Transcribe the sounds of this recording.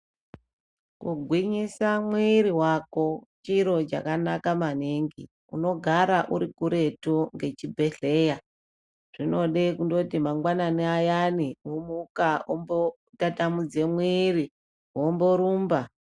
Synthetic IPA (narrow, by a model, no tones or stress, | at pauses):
kuɡʱwiɲisamwiɾiɦwako̞t͡ʃiɾo̞t͡ʃa̰kanakamaneŋɡḭ | ṵno̞ɡʱaɾaʔuɾikuɾe̞tuŋɡe̞t͡ʃibʱe̞ɬe̞ja | ʐ̥ino̞ɗe̞kundo̞timaŋɡwananiajaniwomukaombo | tatamud͡ze̞mwiːri | wombo̞ɾuːmba